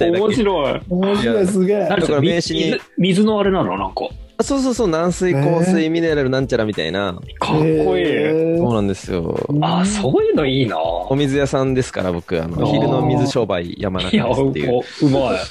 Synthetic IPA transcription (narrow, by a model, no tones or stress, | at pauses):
t̪omoɕiɾoiomoɕjiaɾoisɨɡeãd̪okaɾamẽːɕiɲi | mʲizɨnoaɾe̞nãnonãŋkɑ̰ | asoːs̬oːsoːnãɰ̃sɨikoːsɨimʲineɾeɾɯ̟nãɲ̟t͡ɕaɾamʲit̪a̰ḭna̰ | kʰakːoiːso̞ːnãnd̪e̞sɨjo̰asoːjɯnoiːna̰omʲizɨjasãnd̪e̞sɨ̥ka̰ɾa̰bo̞kɯ̟a̰no̞̰çiɾɯ̟no̞mʲizɨɕo̞ːbaḭja̰ma̰naaḛjɯ̰ɯma